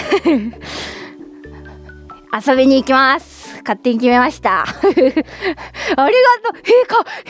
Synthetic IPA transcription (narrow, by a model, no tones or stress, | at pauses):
aso̞bʲiɲ̟iːkʲimasɨ̥kat̪ːe̞ɲ̟ikʲime̞maɕi̥t̪a̰ | aɾʲiɡat̪oheka